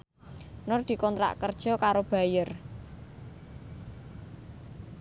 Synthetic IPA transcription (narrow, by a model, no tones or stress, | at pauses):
nʊrd̪̥i̤kɔnt̪ɾa̰ʔkərd̥ʒ̥ɔ̤kaɾob̥a̤jər